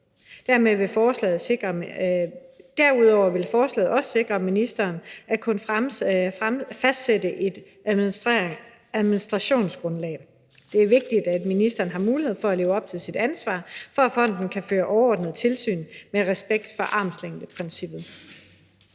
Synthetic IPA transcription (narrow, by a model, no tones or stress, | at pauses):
d̥æɐ̰meʋe̝fɒːslɛ̰ːð̩ˠɡ̥ɐ | d̥æɐ̰uð̞ˠɒʊ̰ɐʋe̝lfɒːslɛ̰ːð̩ˠɒ̽sə̥se̝ɡ̥ʁɐminisd̥ɐːnækʰon | fæsd̥sedəʔe̝d̥ | æðˠminisd̥ʁɑ̈ɕo̝̰ːnsɡ̥ʁɔ̽nlɛ̰ːɪ | d̥e̝æɐʋe̝ɡ̥̚d̥id̥æd̥minisd̥ɐːn̩ɦɑ̈muːlihe̝ð̩̰ˠfɒ̽æle̝ːʊɒ̽b̥̚t͡sʰe̝lsid̥ænsʋɑ̰̈ːfɒ̽æfɒ̽n̰d̥n̩kʰæføːɐʔɒʊɐɒ̰ːd̥nəð̞̩ˠt͡sʰe̝lsy̰ːnmeʁɛsb̥eɡ̥d̥fɒ̽ʔɑ̈ːmsleŋ̰d̥əpʰʁɛnsib̥ð̩ˠ